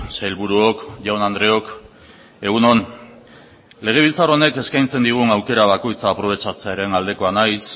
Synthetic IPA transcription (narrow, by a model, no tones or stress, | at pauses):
sajlβuɾuo̞kʝawnand̪ɾe̞o̞k | e̞ɣ̞uno̞n | le̞ɣ̞e̞βilt͡saro̞ne̞ke̞skajnt͡se̞nd̪iɣ̞unawke̞ɾaβako̞jt͡saːpɾo̞β̞e̞t͡sat͡se̞aɾe̞nald̪e̞ko̞anajs